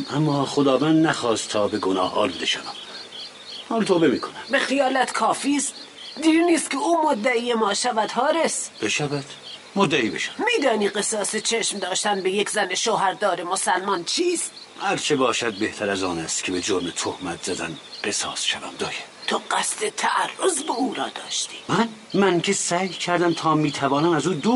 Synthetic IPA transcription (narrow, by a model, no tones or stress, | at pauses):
ʔæmːɒːxod̪ɒːvænd̪næxɒːst̪t̪ʰɒːbeɡonɒːhɒ̰ːluːd̪eʃævæm | hɒːlt̪ʰoːbemiːkʰonæmbexejɒːlæt̪ʰkʰɒːfiːst̪ | d̪iːɾniːst̪kʰʲeuːmod̪ːæiːjemɒːʃævæd̪̥ɦɒːɾesb̥eʃævæd̪̥ | mod̪ːæiːbeʃæ̥æmiːd̪ɒːniːɢesɒːset͡ʃʰeʃmd̪ɒːʃt̪ænbejekʰzæneʃoːɦæɾd̪ɒːɾemosælmɒnt͡ʃʰiːst̪ | hæɾt͡ʃʰebɒːʃæd̪̚be̞ht̪ʰæɾæzɒːnæst̪kʰebed͡ʒoɾmet̪ʰohmæt̪ʰz̥æd̪æ̰nɢe̞sɒ̰ːsʃævæ̰md̪ɒːje | t̪ʰoɢæst̪et̪ʰæʔærːozbeuːɾɒːd̪ɒ̰ːʃt̪ʰi̥ːmæn | mæŋkʲʰesæːjcʰæɾd̪æmt̪ʰɒːmiːt̪ʰævɒːnæmæzuːd̪uː